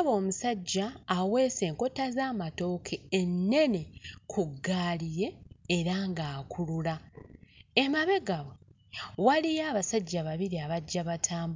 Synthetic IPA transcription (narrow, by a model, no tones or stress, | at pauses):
βo̞ːmusaɟːaːwe̞ːse̞ːŋko̞tazaːmato̞ːkʰienːe̞ne̞kʰuɡːaːlije̞ːɾaŋɡaːkʰulula | emaβe̞ɡaβwe | walijaːβasaɟːaβaβiɾiaβaɟːaβatʰaːmb